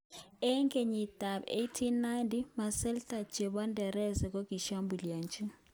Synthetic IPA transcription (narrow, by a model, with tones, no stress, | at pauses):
ɛ˦ŋkʼe˨ɲi˨d̥ʱa˨ɓḛ˦tʰi˦nːa˦jntʼima˨sɛ˦ltʰʼḁ˨d͡ʒ̥ʱɛ˨ɓa˦ndʱɛ˨ɾɛ˦zɛ˨k̬o˦ɡ̥ʱi˨ʃa˦mbʱu˨liaː˨nt͡ʃʼɛ˦